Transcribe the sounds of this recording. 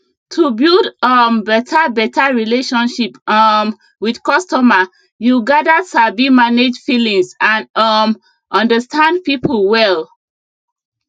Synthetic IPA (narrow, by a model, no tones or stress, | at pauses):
tʰubilˠdʌmbɛtʰabɛtʰaɹileʃɔ̃nʃipm | widkɔstɔma | juɡadasabimaned͡ʒfilĩŋsãnʌm | ʔɔ̃ndəstʰãndpipʰl̩ˠwɛl